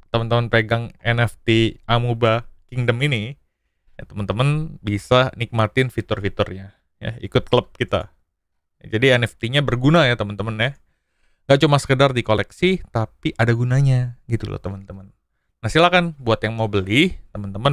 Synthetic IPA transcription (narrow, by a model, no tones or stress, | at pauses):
t̪əmənt̪əmənpeɡaŋɛnɛft̪iʔamubakɪŋdəmini | ja̰t̪əmənt̪əmənbisanik̚mat̪ɪnfit̪ʊrfit̪ʊrɲa | ja̰ḭkʊt̪̚kləp̚kit̪a̰ | d͡ʒadiɛnɛft̪iɲabərɡunajat̪əmənt̪əmənja | ŋɡaʔt͡ʃumasə̥kədardikolɛksit̪apiʔadaɡunaɲaɡit̪ṵlo̰t̪əmənt̪əmənː | ahsilakanbuat̪jaŋmawbəlɪht̪əmənt̪əmən